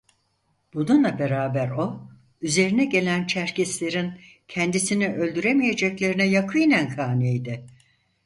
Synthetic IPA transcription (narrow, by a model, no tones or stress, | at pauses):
b̥ununlˠabe̞ɾaːbæɾo̞ | yze̞ɾinɛɟe̞lʲænt͡ʃʰæɾcʰɛslʲe̞ɾin | cʰɛnd̪isiniʔø̞lʲd̪yɾemije̞d͡ʒɛclʲe̞ɾinɛjakʰɯinænkʰaːnejd̪ɛ